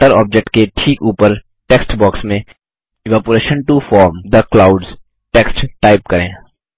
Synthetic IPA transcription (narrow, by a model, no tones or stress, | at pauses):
ʈəɾɔ̰ːp̚d͡ʒek̚ʈkeʈʰiːkuːpəɾ | ʈeːksʈbɔːksmẽ | ɪʋæːpuɾeːʃə̃nʈufɔːɾmd̪əklaːʊɖz | ʈeːksʈʈaːɪp̚kɐɾḛ̃ː